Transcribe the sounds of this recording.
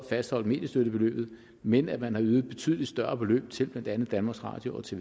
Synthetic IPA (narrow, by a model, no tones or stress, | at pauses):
fæsd̥hɒ̽l̰d̥me̝̰ːdjəsd̥øɾ̥əb̥e̝lø̰ːb̥ð̩ˠ | menæ̥mænhɑ̈yːð̩ˠb̥e̝t͡sʰy̰ːðˠlid̥sd̥ɶɐb̥e̝lø̰ːb̥̚t͡sʰe̝lb̥lænd̥ænð̩ˠd̥ænmɑ̈ːɡsʁɑ̈ːd̥jo̝ɒ̽t͡sʰe̝